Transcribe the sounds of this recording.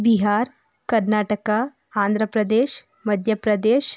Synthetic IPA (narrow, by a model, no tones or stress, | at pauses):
biɦaɾ | kəɾnaʈəkãː | nd̪ɾəpɾəd̪eɕ | məd̪ʱjəpɾəd̪eɕ